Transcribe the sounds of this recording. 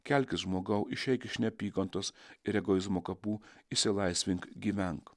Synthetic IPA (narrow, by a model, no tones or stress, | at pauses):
kʲɛlʲkʲɪsʒmoːɡɐʊʔɪʃʲɛɪkʲɪʃʲnʲɛpʲiːkɐnt̪oːsɪɾʲɛɡɔɪzmoːkɐpuːɪsʲɪlˠɐɪsʲʋʲɪŋkɡʲiːʋʲɛŋk